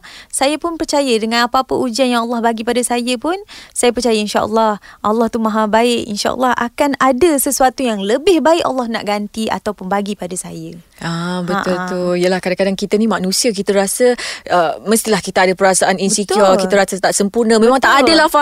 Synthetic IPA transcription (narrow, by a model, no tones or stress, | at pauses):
sajəpʊnpərt͡ʃajədəŋãnapaapəʔud͡ʒanjaŋalːɑhbaɡipadasajəpʊnsajəpərt͡ʃajəinʃa̰ʔə̰lːɑhʔalːɑht̪umaɦabaɪʔḭnʃa̰ʔə̰lːɑhʔa̰kanadəsəsuat̪ujaŋləbɪhbaɪʔa̰lːɑhna̰ʔɡant̪ia̰t̪awpʊnbaɡipadasajəʔabətʔ̪ult̪uijəlahkadakadaŋkit̪animanũsiak̬it̪əɾasəəməst̪ilahkit̪aadapəɾasaʔaninsit̪iɔkiaɾasat̪aʔsəmpurnəmẽmãŋt̪aʔadəlahfa